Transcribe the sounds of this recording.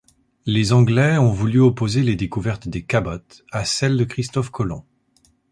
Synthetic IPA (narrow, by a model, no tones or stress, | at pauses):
lezɑ̃ɡlɛɔ̃vulyɔpozeled̪ekuvɛʁt̪d̪ekabɔt̪ | asɛld̪əkχist̪ɔfkɔlɔ̰̃